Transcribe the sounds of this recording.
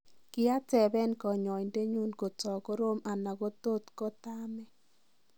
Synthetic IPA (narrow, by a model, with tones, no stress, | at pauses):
kɪ˦a˦tɛ˨bɛ˦nkɔ˨ɲɔ˨i˨nde˦ɲu˦nko˨t͡sɔ˨ko˦ɾo˦mʔa˨na˨ɣo˦t̪o˦tkɔ˦ta˦mɛ˦